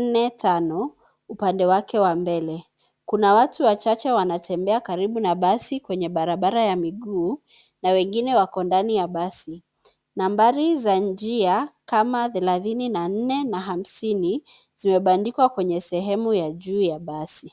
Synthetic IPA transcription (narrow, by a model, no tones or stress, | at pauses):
nɛtanɔ | upandɛwakɛwambɛlɛ | kunawatuwat͡ʃat͡ʃɛwanatʰɛmbɛakaɾiɓunaɓasikwɛɲɛɓaɾaɓaɾajamiɠuː | nawɛŋɡinɛwakɔndanijaɓasi | nambaɾizand͡ʒiakamaθɛlaθininan̩nɛnaɦam̩sini | z̥imɛɓandikwakwɛɲɛsɛɦɛmujaʄuːjaɓasi